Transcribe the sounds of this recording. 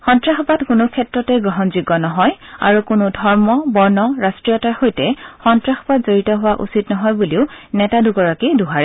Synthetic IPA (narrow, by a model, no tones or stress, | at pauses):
xɔntɹaxɔbatkʊnʊkʰɛtɹɔtɛɡɔɦɔnziɡɔnɔɦɔja̰ɹukʊnʊdʱɔɹmɔbɔɹnɔɹastɹijɔtaxojtɛxɔntɹaxɔbatzoɹitɔɦʊwaʔṵsitnɔɦɔjbuliʊnɛtaduɡɔɹakiduɦaɹɛ